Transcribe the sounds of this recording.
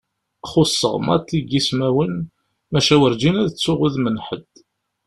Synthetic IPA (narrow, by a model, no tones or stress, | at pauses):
χʊsːə̰ʁmɑ̰t̪ːiɡismæwən | mæʃæwəɾd͡ʒinæðət͡sːʊʁuðmənħəd̪̥